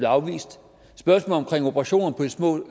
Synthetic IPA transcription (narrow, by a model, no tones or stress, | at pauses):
leɑ̈ʊʋḭːsd̥ | sb̥ɶɐsmɔ̰ːlɒ̽mkʰʁeŋ̰obʰʁɑ̈ɕo̝̰ːnn̩pʰɒ̽d̥ismɔ̰̽ː